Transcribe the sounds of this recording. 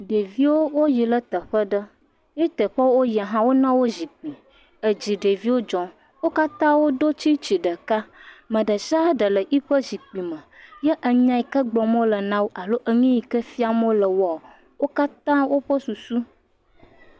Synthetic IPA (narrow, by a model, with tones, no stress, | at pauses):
ɖe˨vi˦wo˦wo˦ji˨lə˦t̪ə˨ɸə˦ɖə˦ | je˦t̪ə˨ɸə˦wo˦ja˨ɦã˦wo˦nã˦wo˦zi˨k͡pi˨ | ə˨d͡ʑi˨ɖe˨vi˦wo˦d͡ʒɔ̃˨ | wo˦ka˦t̪ã˦wo˦d̪o˦t͡ɕi˦t͡ɕi˨ɖə˨ka˦mə̃˨ɖə˨ʃa˦ɖə˨lə˨ʔi˦ɸə˦zi˨k͡pi˨mə̃˨jɛ˦ʔə˨ɲã˦i˨kə˦ɡ͡blɔ˨mõ˦lə˨nã˦wo˦ʔa˨lo˦ʔə˦ɲĩ˦ji˨kə˦fi˦a˨mõ˦lə˨wa˨ | wo˦ka˦t̪ã˦wo˦ɸə˦su˨su˦